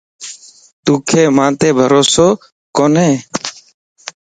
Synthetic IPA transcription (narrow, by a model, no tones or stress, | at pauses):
t̪uːkʰeːmãːt̪eːbʱəɾoːsoː | koːneː